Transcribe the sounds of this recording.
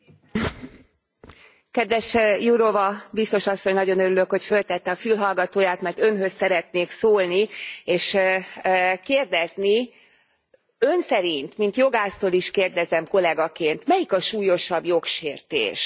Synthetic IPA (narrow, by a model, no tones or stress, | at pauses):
kɛd̪ʋɛʃjuɾovɒbist̪o̞ʃɒsːo̞ɲnɒɟo̞nøɾylø̞kho̞cfø̞lt̪ɛt̪ːɛɒfylɦɒlɡɒt̪oːjaːt̪mɛrt̪ø̞nɦø̞sːɛɾɛt̪neːksoːlnieːʃ | keːrd̪ɛzni | ø̞nsɛɾint̪mint̪jo̞ɡaːst̪oːliʃkeːrd̪ɛzɛmko̞lɛɡɒkeːnt̪mɛjikɒʃuːjo̞ʃɒbjo̞kʃeːrt̪ḛːʃ